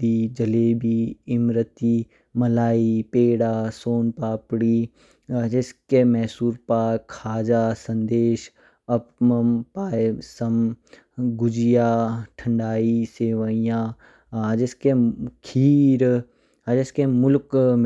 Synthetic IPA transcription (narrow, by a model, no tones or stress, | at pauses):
id͡ʒɐleːbiɪmɾət̪iː | mɐlaːipeːɽaːsoːnpaːpɽiː | d͡ʒɪskemɛɦsuːɾpaːkʰaːd͡ʒaːsɐ̃nd̪eːʃ | ɐp̚məmpaːsɐm | ɡʊd͡ʒɪjaːʈʰə̃ɳɖaːiseːʋaijãː | d͡ʒɪskekʰiːɾ | d͡ʒeskemʊlkm